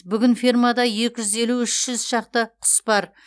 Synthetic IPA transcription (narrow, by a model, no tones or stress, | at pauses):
bʏɡʲɪnfirmɑd̪ɑje̞kʲɪʒʏze̞luʏʃʒ̥ʏzʃɑq̚t̪əqʰʊ̥sbɑɾ